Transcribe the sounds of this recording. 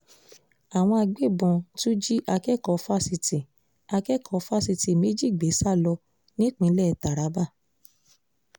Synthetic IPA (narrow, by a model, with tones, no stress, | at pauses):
a˨w̃ɔ̃˧a˧ɡ͡be˦˨bɔ̃˨˧tu˦d͡ʒi˦ʔa˧kɛ˦˨kɔ˧˦fa˦si˧ti˨ | a˧kɛ˦˨kʰɔ˨˧fa˦˨si˧ti˨me˦d͡ʒi˦˨ɡ͡be˨˦sa˦˨lɔ˧ | nĩ˦k͡pĩ˧˦lɛ˦˨ta˨ɾa˨˦ba˦˨